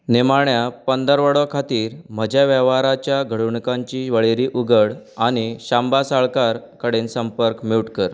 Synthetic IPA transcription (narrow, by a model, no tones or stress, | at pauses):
nemaɳjapənd̪əɾʋəɽəkʰat̪iːɾm̤əd͡ʑʱjaʋɛʋaɾat͡ɕjaɡʱəɽuɳkãɲt͡ɕiːʋəɭeɾiːʔuɡəɽañiɕãmbasaɭkaɾkəɽensəmpəɾkmiwʈkəɾ